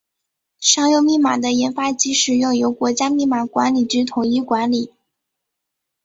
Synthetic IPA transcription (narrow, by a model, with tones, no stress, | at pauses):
ʂɑ˥ŋjo˥˧ʊmi˥˩ma̰˨˩d̪ə˦jɛ˧˥nfa˥t͡ɕi˧˥ʂɻ̩˨˩jʊ˥˩ʊjo˧˥ʊkwɔ˧˥t͡ɕja˥mi˥˩ma˨˩kwa˧˥nli˨˩t͡ɕy˥t̪ʰʊ˨˥ŋi˥kwa˧˥nli˨˩˦